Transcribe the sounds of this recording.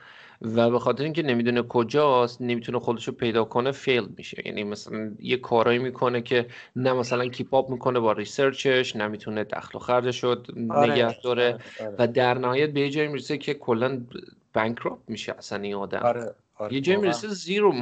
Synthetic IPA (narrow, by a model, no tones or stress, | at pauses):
væbe̞xɒːt̪ʰeɾeiŋcʰene̞miːd̪uːnekʰo̞d͡ʒɒːst̪ne̞miːt̪ʰunexo̞d̪e̞ʃopʰe̞jd̪ɒːkʰo̞nefe̞ld̪̚mḭʃe̞̰jæ̰ːnʔḭmæsælænjekʰɒːɾɒːimiːkʰo̞ne̞cʰe̞næmæsælæncʰiːpʰɒːbmiːkʰo̞ne̞bɒːɾiseɾt͡ʃʰe̞ʃnæmiːt̪ʰuned̪̥æ̰xlo̰xæɾd̪eʃoneɡæhd̪̥ɒːɾe̞væd̪æɾnæhɒːjæt̪̚be̞jed͡ʒɒːjimiːɾesecʰe̞kʰo̞lːæn | b̥æŋkʰɾop̚miːʃḛʔæsæninɒːd̪æ̰m | je̞d͡ʒɒːjimiɾeseziːɾom